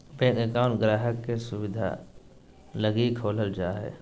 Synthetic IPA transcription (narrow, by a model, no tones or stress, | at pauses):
bẽːɡekaːʊnɡɾaːɦəkːesʊwɪd̪ʱa̰ | ləɡikʰoːləld͡ʒaːɦɛ̰ː